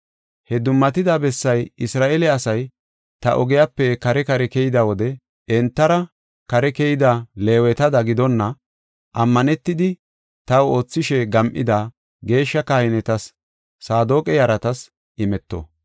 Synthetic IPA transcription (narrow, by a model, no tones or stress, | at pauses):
hɛd̪ʊmːɐt̪ɪd̪abɛsːɐjɪsɾaːʔelɛɐsɐj | t̪ɐ̰ʔɔɡɛjapːɛkɐɾɛkɐɾɛkɛjɪd̪ɐwɔd̪ɛ | ɛnt̪ːɐɾɐ | kɐɾɛkɛjɪd̪ale̞ːwɛt̪ɐd̪ɐɡɪd̪ɔnːɐ | ʔɐmːɐnɛt̪ːɪd̪ɪ | t̪ɐwo̞ːt͡sːɪʃɛɡɐmʔɪ̰d̪a | ɡe̞ːʃːɐkaːhɪnɛt̪ɐsː | aːd̪o̞ːkʼɛjɐɾɐt̪ɐs | ʔɪmɛt̪ːɔ̰